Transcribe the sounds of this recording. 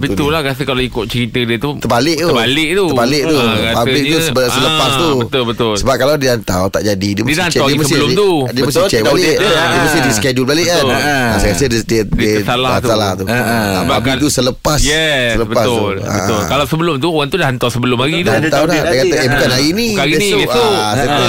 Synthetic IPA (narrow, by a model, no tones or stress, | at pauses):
bət̪ʊlahɣasəkalaikʊʔ̚t͡ʃəɾit̪ədiət̪ut̪əbalɪʔt̪ubalɪʔ̚t̪uəbalɪʔ̚t̪uaspablɪʔt̪usbəsələpast̪ubət̪ʊlbət̪ʊlsəbap̚kaladiant̪awt̪a̰ʔd͡ʒadidiəmsnɛdiəmasəsət̪udiməsɪt͡ʃɛk̚baldiəməsɪdisəkɛd͡ʒulbalɪʔanasɛjkasədiddisalaat̪alaht̪uəbabit̪usələppasjɛsələbəpasuula̰əʔʊlkalawsəbəlʊmt̪uoɣant̪udahant̪ɔsəbəlʊmaɡit̪aant̪awlaəakat̪aebukanainĩkaiaasaa